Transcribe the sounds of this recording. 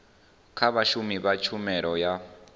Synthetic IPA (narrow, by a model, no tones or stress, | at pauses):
kʰaβaʃumiβat͡ʃʰumɛɺɔja